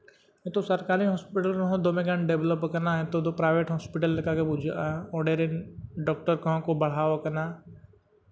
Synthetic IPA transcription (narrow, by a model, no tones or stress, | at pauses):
ɦẽt̪osɐɾkaːɾiɦɔːspɪʈəlkəɦõd̪oːmẽɡãɳɖebləpkɐnaɦẽt̪od̪opɾaːɪʋeːʈɦɔːspɪʈəlːɐkaːkebʊd͡ʒʔaɔɖeːɾenɖɔːk̚ʈəɾkəɦõkobɐɽ̤aːʋakɐnaː